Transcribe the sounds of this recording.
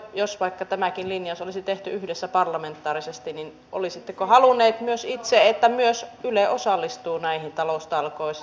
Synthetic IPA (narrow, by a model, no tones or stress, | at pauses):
josʋɑikːɑt̪æmækinlinjɑsolisit̪eht̪yyhdesːæpɑrlɑment̪ːˑɑːrisest̪inin | ʔo̰lisit̪ːekohɑlunːˑeːt̪myøsit̪seet̪ːæmyøsyleʔosɑlːist̪uːnæihint̪ɑlost̪ɑlkois